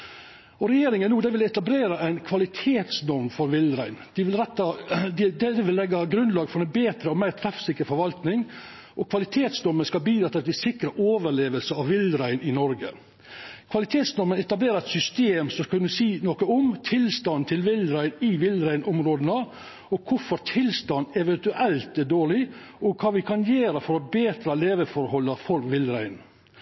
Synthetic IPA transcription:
ɔɾɛjeːɾɪŋənnuːd̪ɛʋɪlɪɛt̪ɑbleːɾɑæɪnkʰʋɑlɪt̪ʰeːt̪snɔɾmfɔɾʋɪlɾæɪnd̪̥ɪʋɪlɾɛt̪ːɑd̪d̪ɛd̪ɛʋɪlːɛɡːɑɡɾʉnlɑːɡfɔɾɛnbeːt̪ɾəɔmæɪɾt̪ʰɾɑfsɪkːəɾfɔɾʋɑlt̪nɪŋ | ʔɔkʰʋɑlɪt̪ʰeːt̪snɔɾmənskɑbiːd̪ɾɑt̪ːɑt̪ʰɪsɪkɾəʔoːʋəɭeːʋəlsəɑʋʋɪlɾæɪnɪnɔɾɡə̰ | kʰʋɑlɪt̪ʰeːt̪snɔɾmənɛt̪ɑbleːɾəɛt̪sʏst̪eːmsɔkʰʉnːəsiːnɔkəɔmt̪ʰɪlst̪ɑnt̪ʰɪlʋɪlɾæɪnɪʋɪlɾæɪnʔʊmɾoːd̪ənə | ɔkʰʊɾfɔɾt̪ʰɪlst̪ɑnːɛʋɛnt̪ʉʔɛlt̪ɛɖoːɭɪ | ɔkʰɑːʋɪkʰɑnjeːɾəfɔɾɔbeːt̪ɾɑleːʋəfɔɾhɔlːəɾfɔɾʋɪlɾæɪn

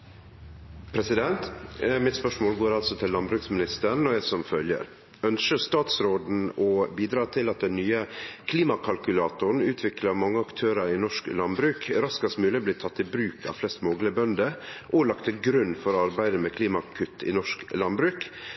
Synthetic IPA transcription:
pʰɾɛsɪd̪ɛnt̪mɪt̪spœʂmoːlɡoːɾɑlsɔt̪ʰɪlːɑnbɾʉːksmɪnɪst̪əɳːɔjæɪsɔmfœljə̰ɾ | œnʃəst̪ɑːt̪sɾoːd̪n̩ɔbiːd̪ɾɑːt̪ʰɪlɑt̪̚d̪ɛnːyːəkʰliːmɑkʰɑlkʉlɑːt̪ʊɳ̩ʉːt̪ʰʋɪklɑmɑŋːəɑkt̪ʰøːɾəɾɪnɔʂklɑnbɾʉːkɾɑskɑst̪mʉːlɪbliːt̪ʰɑt̪ːɪbɾʉːkʰɑ̰ʋflɛst̪mɔːɡləbœnd̪əʔɔlɑkt̪əɡɾʉnːfɔɾɑɾbæɪd̪əmɛːkʰliːmɑkʰʉt̪ːɪ̰nɔʂklɑnbɾʉːk

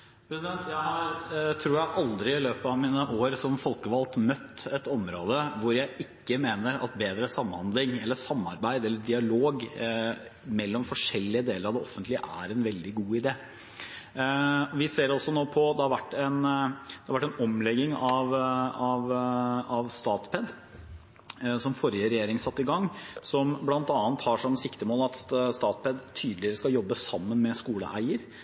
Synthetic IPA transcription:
pʰɾɛsɪd̪ɛnt̪jæɪhɑɾt̪ʰɾuːɾjæʔɑld̪ɾɪɪløːpəɑʋmiːnəʔoːɾsɔmfɔlkəʋɑlt̪mœt̪ːɛt̪ɔmɾoːd̪əʋʊɾjæɪʔɪkːəmeːnəɾɑ̰t̪beːd̪ɾəsɑmːhɑnd̪lɪŋɛlːəsɑmːɑɾbæɪd̪ɛlːəɖɪɑloːɡ | mɛlːɔmfɔʂɛlːɪəd̪eːləɾɑʋd̪ɛɔfənt̪lɪə̰ʔæ̰ɾɛnʋɛld̪ɪɡuːɪd̪eː | ɔʋɪseːɾɔsːɔnoːpʰɔd̪ɛhɑɾʋæʈːɛnd̪ɛɑɾʋæʈːɛnɔmlɛɡːɪŋɑʋɑʋɑʋst̪ɑːt̪pʰɛd̪ | sɔmfɔɾjəɾɛjeːɾɪŋəsɑt̪ːɪɡɑŋːsɔmblɑnt̪ɑːnt̪hɑʂɔmːəsɪkt̪əmoːlɑt̪st̪ɑːt̪pʰɛd̪t̪ʰyːd̪l̩ɪəɾəskɑjɔbːəsɑmːənmɛskuːlə̰ʔæ̰ɪəɾ

